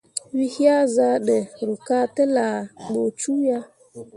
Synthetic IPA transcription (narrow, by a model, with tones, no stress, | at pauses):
wi˦hja˦za˦ɗɛ˨ɾʊ˨ka˦tɪ˦la˨ɡ͡bo˨t͡ʃu˦ja˦